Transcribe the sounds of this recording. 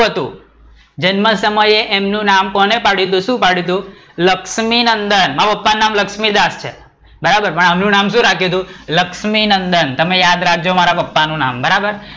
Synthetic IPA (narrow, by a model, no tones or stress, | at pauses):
ɦət̪ṵ̃ | d͡ʒənməsəməjeʔemnũnamkɔnepaɽjut̪̬ũʃũpaɽjut̪ũ | ləkʃminənd̪ənmaapəpːannamləkʃmid̪ast͡ʃʰḛ | bəɾabəɾpəɳəmnũnamʃ̬ũɾakʰjũɦət̪̬ũləkʃminənd̪ənt̪əmejad̪ɾak̚ʰd͡ʒomaɾapəpːanũna̰mbəɾabəɾ